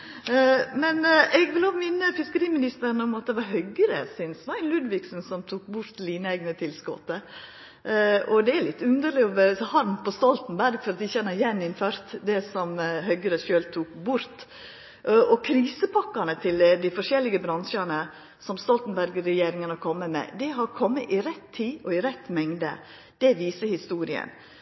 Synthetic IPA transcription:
mɛnɛɡʋɪloːmɪnːəfɪskəɾiːmɪnɪst̪əɾɳəɔmɑt̪̚d̪ɛʋɑɾɦœɡəɾə̰sɪnsʋɑæɪnlʉd̪ʋɪɡsnsɔmt̪ʰuːkbʊɾt̪liːnæɪɡnət̪ʰɪlskɔ̰t̪ə | ɔd̪ɛæɭɪt̪ːʉnd̪əɭɪɔʋshɑɾmpʰɔst̪ɔlt̪nbæɾɡfɔɾɑt̪̚d̪ɪçɛnːəɾjɛnːɪnføːɾt̪d̪ɛsɔmɦœɡəɾəʃøːlt̪ʰuːkbʊɾt̪ | ʔʔɔkʰɾiːsəpʰɑkːɑnət̪ʰɪld̪ɪfɔʂɛlːɪɡəbɾɑnʂɑnə | sɔmst̪ɔlt̪n̩bæɾɡɾɛjeːɾɪŋənɑkʰɔmːəmɛ̰d̪ɛɦɑɾkʰɔmːəʔɪɾɛt̪ʰːiːɔɪɾɛt̪ːmɛŋd̪ə̰ | d̪̥ɛʋiːsəhɪst̪uːɾɪə̰n

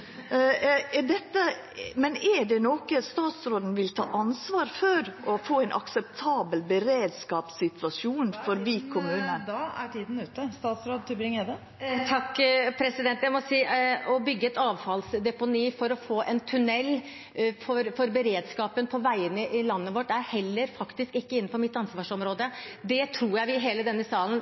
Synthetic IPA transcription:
ɛɖ̪ɛt̪ːə | mɛnɛɖɛnoːkəst̪ɑːt̪sɾoːd̪n̩ʋɪlt̪ʰɑ̰ːʔɑnsʋɑːɾfɔɾʔɔfoːæɪnʔɑ̰ksɛpt̪ʰɑːbəlbəɾeːd̪skɑːpsɪt̪ʰʋɑsuːnfɔɾʋiːkʰʊmʉːnənd̪ɑæʈʰiːd̪n̩ʉːt̪əst̪ɑːt̪sɾoːd̪̚t̪ʰɪlbɾɪŋed̪ə | t̪ʰɑkːpʰɾɛsɪd̪ɛnt̪jæɪmɔsiːɔbʏɡːəɛt̪ɑːʋfɑlsd̪ɛpʊniːfɔɾɔfoːʔɛnt̪ʰʉnɛlː | fɔɾfɔɾbəɾeːd̪skɑːpənpʰɔʋæɪənəʔɪlɑnːəʋɔʈːæɾhɛlːəɾfɑkt̪ɪskɪkːəɪnːn̩fɔɾmɪt̪ːɑnsʋɑːʂɔmɾoːd̪əd̪ɛt̪ʰɾuːjæɪʋɪɦeːləd̪ɛnːəsɑːlən̩

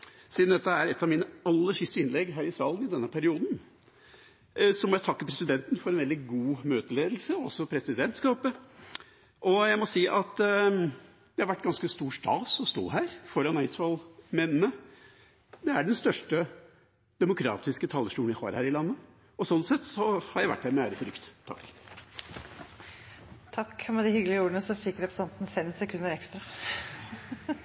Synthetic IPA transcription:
siːd̪n̩d̪ɛt̪ːəæɾɛt̪ːɑʋmiːnəɑlːəʂɪst̪əɪnlɛɡɦæːɾɪsɑːlənɪd̪ɛnːəpʰæɾɪuːd̪n̩ | sɔmɔjæɪt̪ʰɑkːəpʰɾɛsɪd̪ɛnt̪n̩fɔɾɛnʋɛld̪ɪɡuːmøːt̪əleːd̪l̩səɔɔsːɔpʰɾɛsɪd̪ɛnt̪skɑːpə | ʔɔjæɪmɔsiːʔɑt̪ | d̪̥ɛhɑɾʋæʈːɡɑnskəst̪uːʂʈɑ̰ːsɔst̪o̰ːɦæːɾfɔɾɑnæɪsʋɑlmɛnːənə | d̪ɛæɖɛnst̪œʂʈə | d̪̥ɛmʊkʰɾɑ̰ːt̪ɪskət̪ʰɑːlːəʂʈuːɪhɑ̰ːɾhæːɾɪlɑnːə | ɔsɔnsɛt̪sɔhɑɾjæɪʋæ̰ʈ̚ːdæːɾmɛæːɾəfɔɾʏkt̪t̪ʰːɑ̰kː | t̪ʰɑkːmɛd̪ɪhʏɡlɪəuːɾənəsɔfɪkːɾɛpɾəsɛnt̪n̩fɛmsɛkʰʉnːəɾɛkst̪ɾɑ

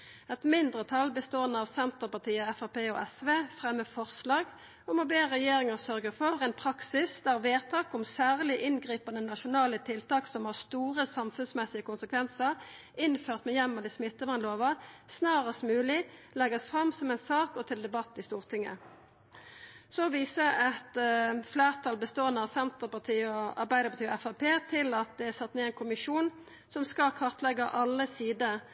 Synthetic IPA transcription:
ɛt̪mɪnd̪ʁət̪ʰɑlbəst̪oːənəɑʋsɛnt̪əʁpɑʈ̪iːəɛfɑpeːɔ̰ːʔɛsʋeːfʁɛmːəfɔʁslɑːɡ | ɔmɔbeːəʁɛjeːʁɪŋəʁsœʁɡəʁfɔʁɛɪnpʰʁɑksɪsd̪æʁʋeːt̪ʰɑːkɔmsæːʁlɪʔɪnɡʁiːpɑnənɑʃʊnɑːlət̪ʰɪlt̪ɑːksɔmhɑːʁst̪uːʁəsɑmfʉnsmɛsɪəkʊnsəkʰʋɛnsəʁ | ɪnføːʁt̪mɛjɛmːəd̪iːsmɪt̪ːəmɑnloːʋɑsnɑːʁəsmʉːlɪlɛɡɑsfʁɑmːsɔmɛnsɑːkɔt̪ʰɪld̪ɛbɑt̪ːɪst̪uːʁt̪ʰɪŋːə̰ | sɔʋiːsəɛt̪flæːʁt̪ʰɑːlbəst̪oːənəɑʋsɛnt̪əʁpɑʁt̪ʰiːəɔɑ̰ʁbæɪd̪əpɑʁt̪iːɔɛfɑpʰeːt̪ʰɪlɑt̪̚d̪ɛæsɑt̪ːneːɛɪnkʰʊmɪʂuːn | sɔmskɑlkʰɑʁt̪ʰlɛɡəʔɑlːəsiːd̪ə

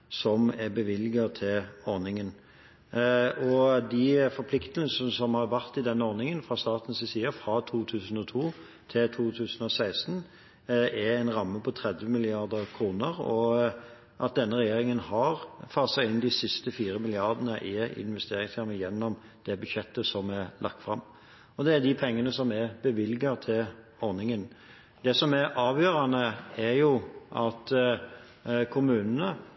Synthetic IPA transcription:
sɔmɛbəʋɪlːɪɡət̪ʰɪlɔɾnɪŋən | ɔd̪ɪfɔɾpʰlɪkt̪əl̩ssɔmhɑɾʋæʁt̪ɪd̪ɛnːəɔɾnɪŋənfɾɑst̪ɑːt̪n̩sɪsiːɑfɾɑt̪ʰuːt̪ʰʉːsən̩ɔt̪ʰuː | t̪ʰɪlt̪ʰuːt̪ʰʉːsən̩ɔsæɪst̪n | ɛæɪnɾɑmːəpʰɔt̪ʰɾɛd̪ʋəmɪlɪɑɾd̪əɾkʰɾuːnəɾɔ | ʔɑt̪̚d̪ɛnːəɾɛjeːɾɪŋənhɑʁfɑsɑɪnd̪isɪst̪əfiːɾəmɪlɪɑʁd̪ənəʔɪɪ̰nʋɛst̪eːɾɪŋsjɑməjɛnːɔm | d̪̥ɛbʉd̪ʃɛt̪ːəsɔmɛlɑ̰k̚t̪fʁɑ̰mː | ɔd̪ɛːd̪ipʰɛŋːənəsɔmɛbəʋɪlɡɑt̪ʰɪl | ɔɾnɪŋən | d̪̥ɛsɔmæɾʔɑːʋjøːɾɑnəæɾjʊʔɑt̪ | kʰʊmʉːnn̩ə

